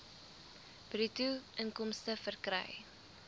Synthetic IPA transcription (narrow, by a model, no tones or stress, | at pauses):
b̥rituʔəŋkɔmstəfərkrə̰j